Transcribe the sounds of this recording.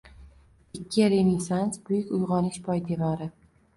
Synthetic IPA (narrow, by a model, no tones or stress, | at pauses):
ɪkʲʰːɪɾenɪsansbʊjɪkʲʊjʁɒnɪʃbɒjd̪e̞vaɾɪ